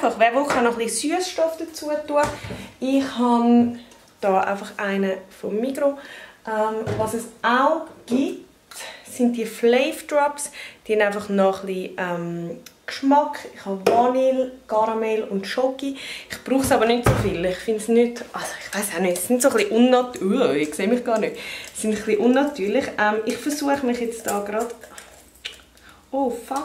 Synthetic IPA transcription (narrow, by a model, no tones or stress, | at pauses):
aɪfɑχʋɛːvʋolχanɔχlisyəsʃtɔfd̥ət͡suətuəɪχhɑn | d̥ɑːʔa̰ɪfɑχʔaɪnəfomːikɾoʔɛmvɑsəsʔaʊɡ̥it | sɪnt̚d̥iəflɛɪfd̥ɹɔpsd̥ihɛndaɪfɑχnɔχliʔɛmkʃmɑkɪχhɑvɑnilɡ̥ɑɾmɛlʊndʃɔkiɪχb̥ɾuːχsɑbəɾnytsofɪlɪχfɪntsnytʔɑsoɪχʋaɪsaʊnøtsɪntsoχliʔʊnːɑtuɪkseːmɪχɡ̥ɑːɾnøtsɪntχliʔʊnːɑtyːɾlɪχʔɛmɪχfəɾsuəχəmɪχjɛt͡std̥ɑːɡɾɑd̥ | oːfɑ